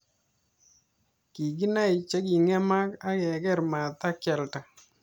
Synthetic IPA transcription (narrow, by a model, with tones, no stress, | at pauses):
ki˨ɡi˦na˦i˨t͡ʃɛ˦ɡi˨ŋɛ˦ma˦ka˦jɛ˨ɡɛ˦ɾma˨t̪a˦kɛ˨lta˨